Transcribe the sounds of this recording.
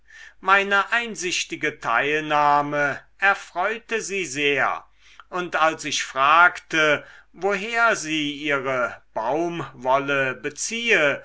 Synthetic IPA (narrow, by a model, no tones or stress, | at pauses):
maɪnəʔaɪnzɪʃtɪɡətʰa̰ɪlnaːməʔɛɐfʁ̥ɔʏtəziːzeːɐ̰ | ʔʊntalsɪçfʁ̥aːktəvoɦeːɐziːʔiːʁəb̥aʊmvɔləbət͡siːə